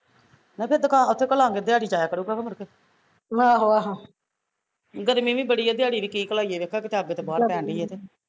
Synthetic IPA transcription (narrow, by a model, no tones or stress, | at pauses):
napʰeɾd̪əkãːʊt̪ʰːeːkəlaːŋɡeːd̪ɪjaːɽiːt͡ʃaːjaːkəɾuːɡaːkəməɾkeː | ɦãːɦoːaːɦãː | ɡəɾmĩːʋĩːbəɽiːaːd̪ɪjaːɽiːʋiːkiːkəlaːiːeːʋeːkʰːaːkɪt̪aːbeːt̪eːbaːɾpɛ̃ːɳɖiːɛːt̪eː